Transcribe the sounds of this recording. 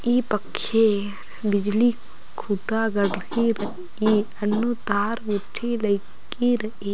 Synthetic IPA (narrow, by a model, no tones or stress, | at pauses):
iːpɐkʃe | bid͡ʒli | kʰuʈaːɡɐɖhiɾɐ | iɐnːut̪aːɾʋuʈʰilɐjk | iɾɐʔi